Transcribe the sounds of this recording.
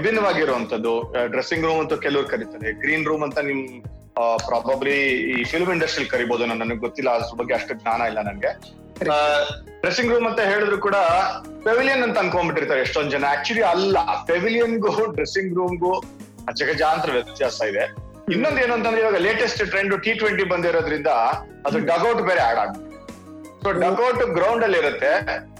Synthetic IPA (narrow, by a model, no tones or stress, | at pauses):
ʋibʱinːɐʋaːɡiɾuɐnt̪ʰɐd̪ːuɖɾesːiŋɡɾuːmɐnt̪ukeluʋɐɾukɐɾit̪aːɾeɡɾiːnɾuːmɐnt̪ɐnim | pɾaːbɐbliːfʰilmiɳɖɐsʈɾiɐlkɐɾiboːd̪unɐnːɐnɡeɡot̪ːilːɐɾbɐɡːeɐʂʈuɡnaːnɐilːɐnɐnɡe̞ | ɖɾesiŋɡɾuːmɐnt̪ɐɦe̞ːɭid̪ɾuːkuːɽɐpeʋilijɐnːɐnt̪ɐɐnɡ̪kombiʈːiɾt̪aːɾeeʂʈond̪ud͡ʒɛnːɐæːk̚t͡ʃuɐliɐlːɐpeʋilijɐnɡuɖɾesiŋɡɾuːmɡu | ɐd͡ʒɐɡɐd͡ʒaːnt̪ɾɐʋjɐt̪jaːsɐid̪e | inːo̞nd̪eːnuɐnt̪ɐnd̪ɾeiːʋaːɡɐleːʈesʈʈɾeɳɖuʈiːʈʋeɳʈibɐnd̪iɾoːd̪ɾind̪ɐ | ɐd̪ɾuɖɐːɡɐwʈbeːɾeaːɽa̰ːɡ̚bit̪ːe | soːɖɐːɡɐwʈɡɾɐwɳɖɐlːiiɾut̪ːe̞